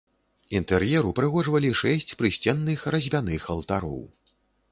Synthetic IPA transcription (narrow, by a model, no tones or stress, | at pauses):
int̪ɛrjɛɾupɾɨɣɔʐvɐlʲiʂɛsʲt͡sʲpɾɨsʲt͡sʲɛnːɨxrɐzʲbʲanɨxɐlˠt̪aɾɔ̰w